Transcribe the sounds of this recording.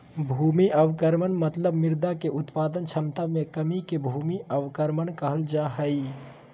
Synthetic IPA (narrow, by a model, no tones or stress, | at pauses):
bʱuːmiʔəʋkəɾmənmət̪ləbmɪɾd̪akeʔʊt̪paːd̪ənt͡ʃʰəmt̪amẽkəmikebʱuːmiəʋkəɾmənkəɦəld͡ʒaːɦəi